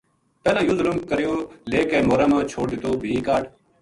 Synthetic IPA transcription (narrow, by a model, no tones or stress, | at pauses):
pɛːlãːjʊzlʊmkəɾɪjoːleːkeːmoːɾãːmãːt͡ʃʰoːɽd̪ɪt̪oːbʱiːkaːɖ